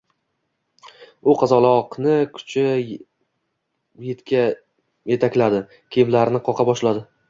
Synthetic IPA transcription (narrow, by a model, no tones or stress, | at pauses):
ʊqʰɑzɒlˠɒqnɪkʰʊ̥t͡ʃʰɪ | jet̪kʲa | je̞t̪ʰakʲlad̪ɪ | kʲʰeɪmlaɾnɪqʰɒqʰɑbɒʃlad̪ɪ